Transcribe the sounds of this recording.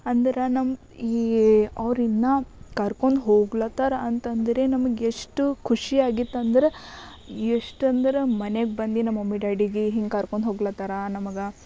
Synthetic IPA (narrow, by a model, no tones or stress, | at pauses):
ɐnd̪ɐɾɐnɐm | iːɐʋɾinːɐkɐɾkoɳɖɦoːɡlɐt̪aɾɐɐnt̪ɐnd̪ɐɾe̞nɐmɐɡeʂʈukʰuʂiaːɡit̪ːɐnd̪ɐɾe | eʂʈɐnd̪ɐɾemɐneɡ̚bɐnd̪inɐmːɐmːiɖaːɖiɡeɦiŋɡkɐɾkoɳɖ̪dɦoːɡlɐt̪aɾanɐmɐɡɐ